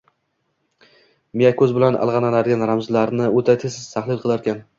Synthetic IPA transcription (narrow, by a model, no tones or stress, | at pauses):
mijakʰʲɵzbɪlanʔa̰lˠʁɑnanaɾɡʲanɾamzlaɾnɪot̪ʰat̪ʰesɪz̥t̪ʰaχlˠɪlˠqʰɨlˠaɾkʲʰan